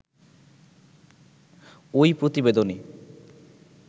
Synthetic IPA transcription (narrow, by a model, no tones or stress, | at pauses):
ojpɾot̪ibed̪one